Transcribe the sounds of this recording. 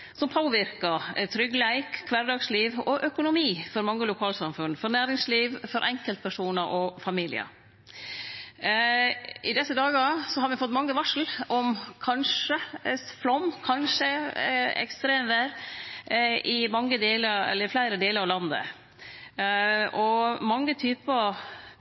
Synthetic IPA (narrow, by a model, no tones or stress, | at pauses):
sɔmpʰoːʋɪɾkɑt̪ʰɾʏɡlæɪkkʰːʋæɾɖ̪ɑːɡsliːʋɔʔœkʊnʊmiːfɔɾmɑŋːəlʊkʰɑːlsɑmfʉnfɔɾnæːɾɪŋsliːʋfɔɾʔɛŋkəlt̪̚pʰæʂuːnəɾʔɔfɑmiːlɪ̰ə̰ | ɪd̪ɛsːəd̪ɑːɡɑsɔhɑɾmɛfɔt̪ːmɑŋːəʋɑʂl̩ʔɔmkʰɑnʂəflɔmkʰɑnʂəɛ̰kst̪ɾeːmʋæːɾ | ʔɪmɑŋːəd̪eːləɾɛ̰lːəɾɪflæɪɾəd̪eːləɾɑʋlɑnd̪ə̰ | ʔɔmɑŋːət̪ʰyːpə